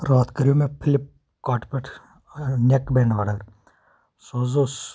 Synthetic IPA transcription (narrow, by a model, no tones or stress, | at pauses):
ɾaːt̪ʰkɐɾijomẽpʰɪlɪp̚ | kaːʈpeʈʰ | nekbɛːnaːɖəɾ | soːzos